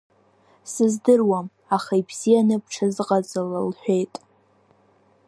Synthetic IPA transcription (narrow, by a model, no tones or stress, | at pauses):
sɨzdɨrwam | aχajbʰz̥ijanɨpʰʈ͡ʂʰɨzqʼad͡zalalħʷᶣejtʼ